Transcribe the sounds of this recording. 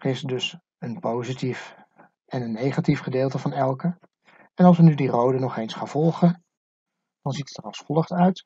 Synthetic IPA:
χɪsdɵs | ənpowzitif | ɛnənːejχatifχədɪːlˠtəvɑnɛlˠkə | ɛnɑlˠs̬ʋənydirowdənɔχejnsχaːnv̥ɔlˠχən | d̥ɑnzitətərɑlˠsfɔlˠəχtœɥt

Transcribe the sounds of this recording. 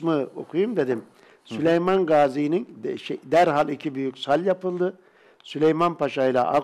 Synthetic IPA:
mɯo̰kʰujumd̪e̞d̪im | sylʲejmanɡaːzijininʃed̪æɾɦalˠicʰibyjycʲsalʲjapɯlˠd̪ɯ | sylʲejmanpʰaʃaɯlˠa̰ʔa

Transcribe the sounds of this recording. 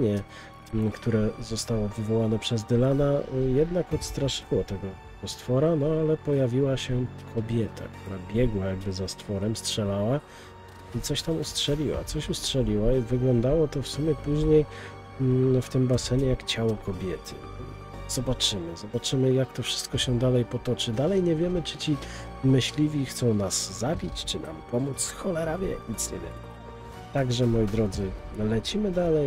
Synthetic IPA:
ɛ | kt̪uɾɛzɔst̪awɔvɨvɔwanɛpʂɛzd̪ɘlanajɛd̪nakɔt̪st̪ɾaʂɘwɔt̪ɛɡɔ | ɛɔst̪fɔɾanɔalɛpɔjavʲiwaɕɛkʰɔbʲjɛt̪ʰa̰kt̪uɾabʲjɛɡwajaɡ̚bɘzast̪fɔɾɛmstʂɛlawa | it̪sɔɕt̪amustʂɛlʲiwa̰t̪sɔɕustʂɛlʲiwaivɘɡlɔnd̪awɔt̪ɔfsumʲjɛpuʑɲej | ft̪ɘmbasɛɲɛjakt͡ɕawɔkʰɔbʲjɛt̪ʰɘ̰ | z̥ɔbat͡ʂɘmɘzɔbat͡ʂɘmɘjakt̪ɔfʂɘ̥st̪̚kɔɕɛd̪alɛjpɔt̪ɔt͡ʂɘd̪alɛjɲɛvʲjɛmɘt͡ʂɘt͡ɕi | mɘɕlʲivʲixt̪sɔ̃w̃naszabʲit͡ɕt͡ʂɘnʔa̰mpɔmut̪sxɔlɛɾavʲjɛ̰ɲit̪sɲɛ̰ɲɛ̰vɛ | t̪aɡʐɛmɔjid̪ɾɔd̪zɘlɛt͡ɕimɘd̪alɛj

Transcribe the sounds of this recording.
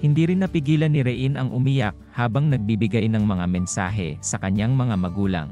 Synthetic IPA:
hɪnd̪iːɾɪnːɐpɪɡiːlɐnːɪɾɛʔinɐŋʔʊmijak̚haːbɐŋnɐɡ̚bibɪɡajnɐŋmɐŋamɛnsa̰ːɦɛ̰sɐkɐɲaŋmɐŋamɐɡuːlɐ̰ŋ

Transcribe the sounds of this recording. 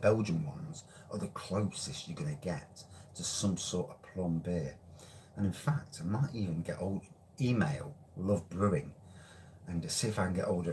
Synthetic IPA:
b̥ɛlˠd͡ʒə̃nwʌ̰̃nz̥ | ʔəðəkʰl̥oʊsɪst͡ʃəɡʌnəɡɛtʰəsʌ̃msɔˑtəv̥pʰl̥ʌ̃mbɪəʔə̃ñɪ̃nfak̚tʰaɪmaɪtiːvə̃nɡɛ̰ɾoʊlˠdə | iːmeɪlˠ | lʊvbɹʊʊɪ̃ŋ | ə̃nɨsɪɪfaɪkə̃n̩ɡɛʔoʊlˠdə

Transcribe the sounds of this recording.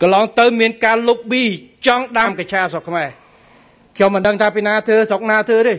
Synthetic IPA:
kɑlɑːŋt̪əwmiənkaːlup̚ɓiːt͡ɕɑŋɗaːmkat͡ɕʰaːsokʰmaɛ | kʰɲomːɨnɗəŋt̪ʰaːpiːnaːt̪ʰəːsok̚naːt̪ʰəːɾeː

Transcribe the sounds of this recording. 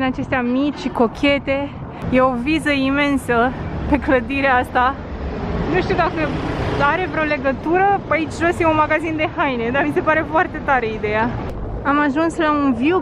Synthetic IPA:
ɨnat͡ʃe̞st̪eamit͡ʃʲʃiko̞kʲʰe̞t̪e̞ | jeo̞vizəime̞nsəpe̞kləd̪iɾeeast̪a | nuʃt̪iud̪akəaɾe̞vɾeo̞le̞ɡət̪uɾəait͡ʃʲʒo̞sjeunmaɡazind̪e̞hajne̞d̪amise̞paɾe̞foart̪e̞t̪aɾe̞id̪e̞ja | amaʒunslaunviu

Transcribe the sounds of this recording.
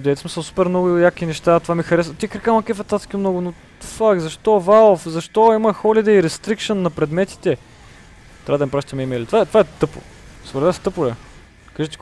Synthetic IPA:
d̪ɛt̪ɛsmisəlˠsu̥pɛɾmnɔɡʊjakinɛʃt̪at̪ovamixɐɾɛsvət̪iɛkɾɛkamɐkʲɛfɛt̪at̪skʲimnɔɡʊno | fakzɐʃt̪ɔvalˠofzɐʃt̪ɔimɐxɔlid̪ɛiɾɛst̪ɾikʃənːɐpɾɛd̪mɛt̪i̥t̪ɛ | tt̪ɾavəd̪mipɾaʃt̪ɛmɛimɛlit̪ovaɛt̪ovaɛt̪ɤpʊ̰svɾvɛst̪ɤpʊlɛ | kaʒɛt̪i̥

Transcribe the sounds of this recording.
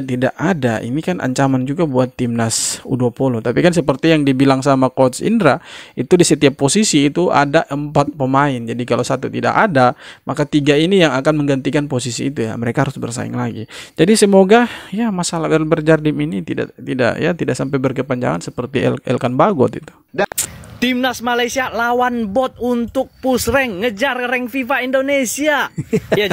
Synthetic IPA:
t̪idaʔadaʔḭnikanʔa̰ɲt͡ʃamand͡ʒuɡabuat̪ːimnasṵdopolot̪apikans̬əpərt̪ijaŋdibilaŋsamakɔt̪sḭndɾait̪udisət̪iapːosisiːt̪uʔa̰daʔəmpat̪̚pəmaɪnd͡ʒadikalowsat̪ut̪ida̰kadamakat̪iɡainijaŋakanməŋɡant̪ikanposisiːt̪uja̰məɾekahaɾʊsbərsa̰ɪ̰ŋlaɡḭd͡ʒadisəmoɡajamasalahbərlbərd͡ʒardiminit̪ida̰ʔt̪ida̰ʔjat̪idaʔsampajbərkəpaɲd͡ʒa̰ŋansəpərt̪iɛlʔɛ̰lkanbaɡɔt̪it̪u̥ | t̪imnasmalajsialawanbɔt̪̚unt̪ʊk̚pusrɛŋːəd͡ʒarɾɛŋfifaindonesiaja

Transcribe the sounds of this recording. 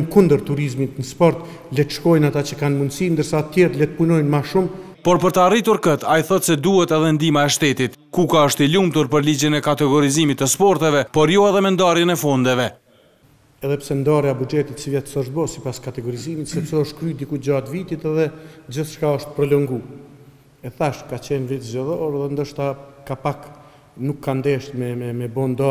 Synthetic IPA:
kund̪əɾt̪uɾizmit̪nəspɔɾt̪ | lɛt̪ʃkɔjnat̪at͡ɕəkanmund̪sind̪əɾsat̪jɛɾlɛt̪punɔjnmaʃum | pɔɾpəɾt̪aarit̪uɾkət̪ʰajiθɔt̪sɛd̪uhɛt̪ɛðɛnd̪imaɛʃt̪ɛt̪it̪ | kukaəʃt̪ilumt̪uɾpəɾlid͡ʑənɛkat̪ɛɡɔɾizimit̪ːəspɔɾt̪ɛvɛpɔɾjɔɛðɛmɛnd̪aɾjɛnɛfɔnd̪ɛvɛ | ɛðɛpsɛnd̪aɾjabud͡ʒɛt̪it̪sivjɛt̪sɔʃ̚bɔsipaskat̪ɛɡɔɾizimit̪sɛpsɛəʃt̪kɾyd̪ikud͡ʑat̪vit̪it̪ɛðɛd͡ʑəθʃkaəʃt̪̚pɾɔləŋɡu | ɛθaʃkat͡ɕɛnvit̪zd͡ʒɛðɔɾɛðɛnd̪əʃt̪akapak | nukʰːand̪ɛʃt̪mɛɛmɛbɔnd̪ɔ

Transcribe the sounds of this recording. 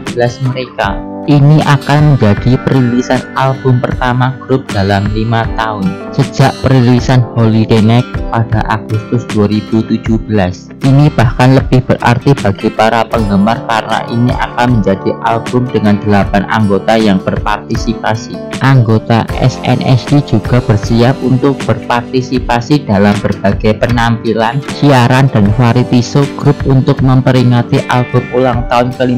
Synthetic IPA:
bbəlasməɾekaʔiniʔakanməɲd͡ʒad̥ipəɾilisanalbʊmpərt̪amaɡ̥ɾʊp̚d̥alamlimat̪aʊnsəd͡ʒaʔpəɾilisanholidenɛk̚pad̥aʔaɡ̥ʊst̪ʊsd̥uaɾib̥ut̪ud͡ʒ̥uhb̥əlas | ʔinib̥ahkanləb̥ɪhb̥ərʔa̰rt̪ib̥aɡ̥ipaɾapəŋɡəmarkarna̰ʔiniʔa̰kanməɲd͡ʒadiʔalb̥ʊmd̥əŋand̪̥əlapanʔa̰ŋɡot̪ajaŋb̥ərpart̪isipasiʔaŋɡot̪a̰ɛ̰sɛ̰nʔɛ̰sdid͡ʒuɡ̥a̤b̥ərsiap̚unt̪ʊk̚b̥ərpart̪isipasidalambərb̥aɡ̥ajpənampilansiaɾandanfaɾit̪isʊɡ̥ɾʊp̚unt̪ʊk̚məmpəɾiŋat̪iʔalb̥ʊmulaŋt̪aʊnkəli

